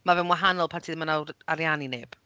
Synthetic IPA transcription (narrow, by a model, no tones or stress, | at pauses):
mavɛnwaɦanɔlˠpʰantʰiːðmanawaɾjanineːb̥